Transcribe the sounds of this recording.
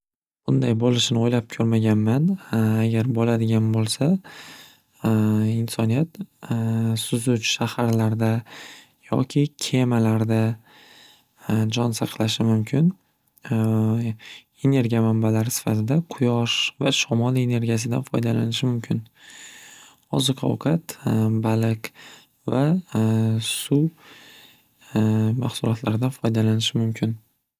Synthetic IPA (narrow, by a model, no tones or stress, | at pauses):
b̥ʊnd̪ajbolɪʃɪnɪojlap̚kʲʰɵɾmaɡʲanmanaɡʲaɾbolad̪ɪɡʲanbolˠsa | ɪnsɒnijat̪ | sʊzʊt͡ʃʰʃahaɾlaɾd̪a | jɒ̰kʲʰɪkʲʰe̞malaɾd̪a | d͡ʒɒnsɑqʰlˠaʃɪmʊmkʲʰɪn | e̞ne̞ɾɡʲijamambalaɾɪsɪ̥fat̪ʰɪd̪aqʰʊjɒʃvaʃɒmɒlˠe̞ne̞ɾɡʲijas̬ɪd̪anfɒjd̪ala̰nɪʃɪmʊmkʲʰɪn | ɒzɨqʰɒ̰wkʰat̪balɪk | va | suw | maχsʊlɒt̪ʰlaɾd̪anfɒjd̪alanɪʃɪmʊmkʲʰɪn